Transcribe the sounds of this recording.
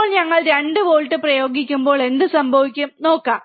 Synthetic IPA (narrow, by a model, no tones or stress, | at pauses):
ɭɲɐŋːɐɭɾɐɳɖɨʋoːɭʈːɨprɐjo̞ːɡikʲːumbo̞ːɭe̞nd̪ɨsɐmbʱɐʋikʲːumno̞ːkːaːm